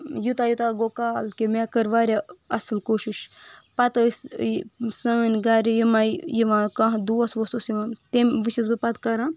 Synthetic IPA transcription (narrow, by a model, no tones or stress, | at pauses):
jut̪aːjut̪aɡokaːlkimekəɾʋaːɾʲaɐsɨlkoːʃiʃpɐt̪əs | səːnʲɡaɾʲijimajjiʋãːkãɦd̪uːɐsʋososiʋãːt̪emʋɨt͡ʃiz̬bɨpɐt̪kɐɾãː